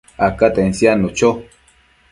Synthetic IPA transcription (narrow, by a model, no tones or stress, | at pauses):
akat̪ensjanut͡ʃo